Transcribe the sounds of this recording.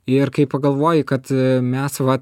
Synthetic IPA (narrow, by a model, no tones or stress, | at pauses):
ɪrkɐɪppɐɡɐlˠʋoːjɪkɐt̪mʲɛsʋɐ